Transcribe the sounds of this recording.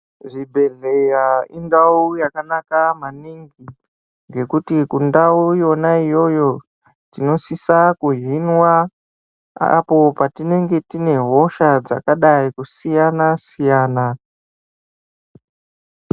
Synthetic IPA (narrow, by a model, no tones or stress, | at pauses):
ʐibʱe̞ɮejaindaujakanakamaniŋɡi | ŋɡe̞kutikundaujo̞naijo̞jo̞ | tino̞sisakuɦinwa | a̰po̞patine̞ŋɡe̞tine̞ɦo̞ʃad͡za̰kaɗaikusijanasijaːna